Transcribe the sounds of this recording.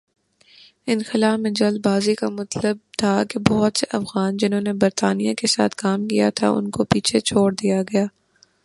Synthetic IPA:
ɪnxɪlaːfmẽd͡ʒɐld̪̚baːzikamɐt̪ləb̚t̪ʰakebɔɦʊt̪seʔɐfɣaːnd͡ʒɪnɦõːnebɐɾt̪aːnijãkesa̰ːt̪ʰkaːmkija̰t̪ʰa̰ʔʊ̰nkopiːt͡ʃʰet͡ʃʰoːɽd̪ijaɡɐjaː

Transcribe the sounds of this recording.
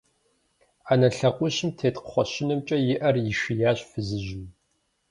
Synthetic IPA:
anɐɬɐqʷʼʊɕɪmtʰeːtqə̥χʷɔɕɪnɨmt͡ʃʼɐjɪʔɐrjɪʃijaːɕfɨzɨʒum

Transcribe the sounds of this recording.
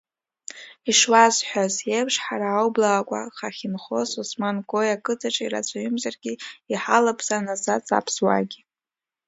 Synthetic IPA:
iʂwazħʷᶣazjepʰʂħaɾaːwblaːkʷʼa̰χaχʲɪnχo̞susmanɡʼo̞jakʼɨt͡sʰaʈ͡ʂʼaḭra̰t͡sʷʰʼaɥʏmzarɡʲiiħalapʰʼz̥anazat͡sʼa̰pʰswa̰ɡʲi

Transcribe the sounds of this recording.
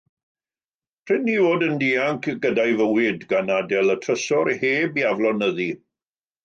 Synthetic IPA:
pʰr̥ɪnːivoːdəndiːaŋkʰɡədajvəwɪdɡanadɛlˠətʰrəsɔɾheːbiavlˠɔnəði

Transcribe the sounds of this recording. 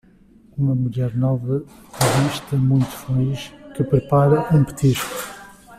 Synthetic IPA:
umɐmuʎɛɾnɔvɐ | ɐɾiʃt̪ɐmũj̃t̪u̥fɐliʃkɨpɾɨpaɾɐʔũpɨ̥t̪iʃku̥

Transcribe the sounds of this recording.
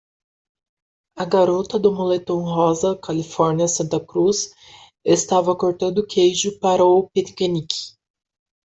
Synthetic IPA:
ɐɡaɾot̪ɐd̪ʊmolet̪õw̃ɦɔzɐkalifɔɾniɐsɐ̃nt̪ɐkɾus | est̪avɐkoɾt̪ɐ̃nd̪ʊkʰejʒʊpaɾɐʊpet̪kenikɪ̥

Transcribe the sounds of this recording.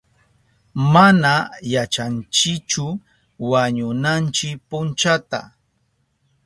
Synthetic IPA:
manajat͡ʃant͡ʃɪkt͡ʃʊ | waɲʊnant͡ʃɪk̚pʊnt͡ʃat̪a̰

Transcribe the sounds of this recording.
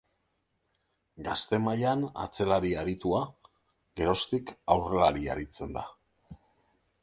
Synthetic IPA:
ɡast̪e̞majana̰t͡se̞laɾiaɾit̪ua | ɡe̞ɾo̞st̪ikawre̞laɾia̰ɾit͡se̞nd̪a

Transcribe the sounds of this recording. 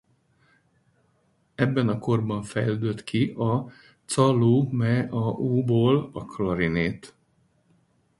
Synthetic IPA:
ɛbːɛnɒko̞rbɒɱfɛjld̪øt̪kʰiʔɒ | t̪sɒluːmɛɒuːboːlɒklɒɾineːt̪

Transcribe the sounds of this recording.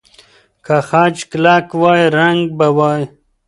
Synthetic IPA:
kaxaːd͡ʒklakwaːjɾaŋɡ̚bawaːj

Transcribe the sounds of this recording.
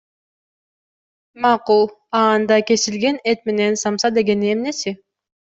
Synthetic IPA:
mɑqulˠ | ɑːnd̪ɑke̞silɡe̞net̪̚me̞ne̞nsɑmsɑd̪e̞ɡe̞niemne̞si

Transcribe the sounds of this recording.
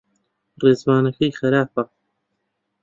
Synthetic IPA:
reːzwaːnɐkɐjxɐɾaːfɐ

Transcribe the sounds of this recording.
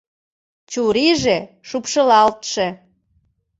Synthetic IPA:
t͡ɕuɾiʒe | ʃupʃəlɑlt̪ʃe

